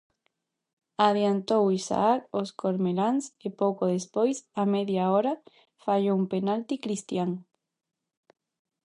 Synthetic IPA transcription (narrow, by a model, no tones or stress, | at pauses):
aðjant̪owisa̰akoskoɾmelaŋsepowkoðespojsamɛðjaoɾa | faʎoumpenalt̪ikɾist̪jaŋ